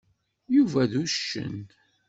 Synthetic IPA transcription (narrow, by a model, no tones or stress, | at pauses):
juvæðuʃːə̰n